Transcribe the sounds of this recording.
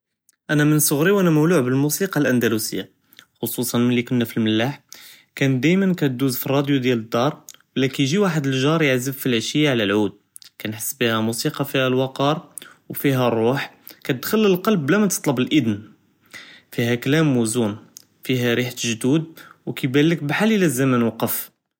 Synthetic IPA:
ʔænæmənsʊɣɾiwʔænæməwluʕbəlmusiqɑlʔænd̪ælusəjːa | xosusˤɑnmənlːikʊnːæfilməlːaħ | kænd̪æjmənkæt̪̚d̪uzfirˤːɑd̪jud̪jæləd̪ːɑɾˤwlækæjʒiwaħəd̪əlʒɑɾˤjəʕzːəbfilʕəʃəjːaʕlælʕud̪̚ | kænħə̥sːbihæmusiqɑfihælwɑqɑɾˤwfiɦærˤːuħ | kæt̪əd̪xəlːəlqɑlbːlæmæt̪ə̥t̪ˤlɑbəlʔid̪n | fihæklæmːuzun | fiɦæɾiħḁʒd̪ud̪̚wkæjbælːəkbħalilæzəmænwɑqːəf

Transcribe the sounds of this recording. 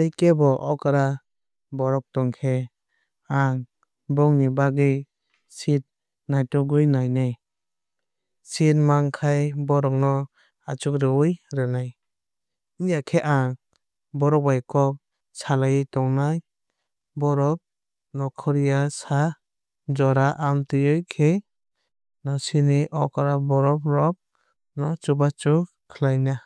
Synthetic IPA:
ajkebɔʔɔwkaɾa | bɔɾɔk̚tɔŋkʰe | aŋ | bɔŋnibaɡɯj | sit̚ | najtɔɡɯjnajnej | sitmaŋkʰajbɔɾɔk̚nɔ | at͡ʃukɾɯɯjɾɯnaj | injakʰeʔaŋ | bɔɾɔk̚bajkɔp̚ | salajɯtɔŋnaj | bɔɾɔp̚ | nɔkʰɔɾijasa | d͡ʒɔɾaʔamtɯjɯjkʰej | nɔsiniʔɔkaɾabɔɾɔp̚ɾɔp̚ | nɔt͡ʃubat͡ʃu | kʰɯlajna

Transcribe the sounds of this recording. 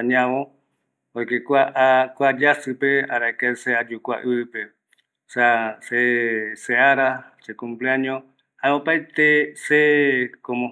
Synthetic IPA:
ɲãβõ | ojkekʷaʔakʷad͡ʒasɨpeaɾajkasead͡ʒukʷa̰ʔɨɨpe | oseaseseaɾasekũmpleaɲõ | haeopait̪esekom

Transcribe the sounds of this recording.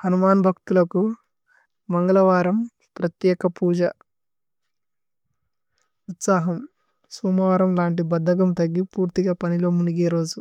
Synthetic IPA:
hɐnumaːnbʱɐkt̪ulɐku | mɐŋɡɐlɐʋaːɾɐm | pɾɐt̪jɛːkɐpuːd͡ʒɐ | ut̪saːɦɐm | suːmɐʋaːɾɐmlaːɳʈ̬ibɐd̪ːɐɡɐmt̪ɐɡːipuːɾt̪iɡaːpɐnilo̞ːmuniɡeːɾo̞ːd͡ʒu

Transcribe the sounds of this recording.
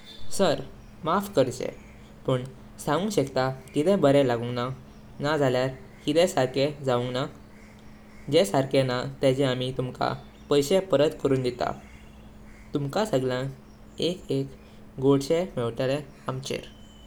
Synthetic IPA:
səɾ | mafkəɾt͡ɕḛ | pəɳ | sãʋuŋɡɕekt̪akit̪ʰɛ̃bəɾɛlaɡuŋɡna | nad͡zʱaljaɾ | kit̪ʰɛsaɾkʰed͡zaʋuŋɡna | d͡ʑesaɾkenat̪ɛd͡ʑɛ̃amit̪umka̰ | pəjɕepəɾət̪kəɾuːnd̪it̪a̰ | t̪umkasəɡljã | ekek | ɡoɽɕemɛʋʈ̪ale | amt͡ɕḛɾ

